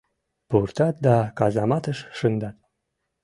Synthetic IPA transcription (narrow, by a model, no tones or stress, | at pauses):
purt̪ɑt̪̚d̪ɑkɑzɑmɑt̪əʃʃɨnd̪ɑt̪̚